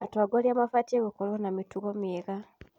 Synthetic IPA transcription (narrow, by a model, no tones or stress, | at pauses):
atwaɡolamafatieɡokolwonamituɣomeɣa